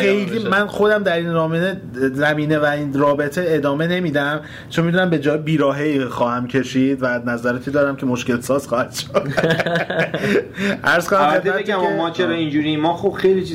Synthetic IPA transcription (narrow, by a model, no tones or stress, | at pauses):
χejliːmænxo̞d̪æmd̪æɾinɾɒːmene | zæmiːnevæinɾɒːbe̞t̪ʰe̞ed̪ɒːme̞ne̞miːd̪æm | t͡ʃʰonmid̪unæmbe̞d͡ʒɒːjbiːɾɒːɦejxɒːhæmcʰe̞ʃiːd̪vænæzæɾet̪ʰid̪ɒːɾæmcʰe̞moʃce̞lsɒːz̥xɒːhæd̪̥ʃo | ʔæɾz̥konæmχeemæeæmɔmɒːt͡ʃʰeɾɒĩnd͡ʒuɾimɒːxob̥xejlit͡ʃʰi